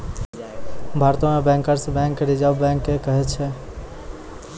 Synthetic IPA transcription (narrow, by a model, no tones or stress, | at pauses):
bʱaɾt̪õmebɛ̃ŋkəɾsbɛ̃ŋkɾid͡ʒabbɛ̃ŋkːekəɦɛt̪t͡ʃʰɛ